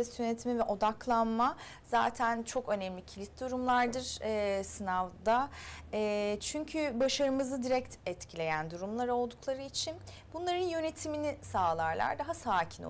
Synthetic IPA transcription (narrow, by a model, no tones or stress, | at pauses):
ɛsjønet̪ʰmɛvɛʔo̞d̪aklˠanma | z̥a̰ːt̪ʰænt͡ʃʰo̞kø̞nɛmlʲicʰilʲit̪̚d̪uɾumlˠaɾd̪ɯɾ̥ɛsɯnavd̪aɛːt͡ʃʰyɲcʰybaʃaɾɯmɯzɯd̪iɾɛc̚t̪ʰɛt̪cʰilʲe̞jænd̪uɾumlˠaɾo̞lˠd̪uklˠaɾɯit͡ʃʰin | bunlˠaɾɯnjø̞ne̞t̪ʰiminisaːlˠaɾlˠa̰ɾd̪aɦasaːcʰi̥no̰